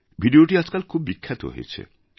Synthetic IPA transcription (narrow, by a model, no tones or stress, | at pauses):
bʱiɖioʈiad͡ʑkalkʰubːikʰːat̪o̰ɦo̰jet͡ɕʰḛ